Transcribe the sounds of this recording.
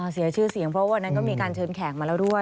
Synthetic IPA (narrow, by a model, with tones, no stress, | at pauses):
ɔ˧˩si˨˩˦t͡ɕʰɯː˥˩si˩˦əŋpʰɾɔ˦˥waː˧nːa˦˥nkɔː˥˩miː˧kaː˧nt͡ɕʰɤː˧nkʰɛː˩˦k̚ma˧lɛː˦˥wdu˥˩ə